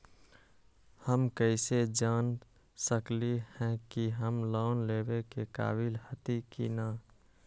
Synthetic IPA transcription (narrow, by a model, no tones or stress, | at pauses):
həmkəɪsed͡ʒaːn | səklihɛ̃kiɦəmlaʊnlebekeka̰ːbilhət̪ikḭnə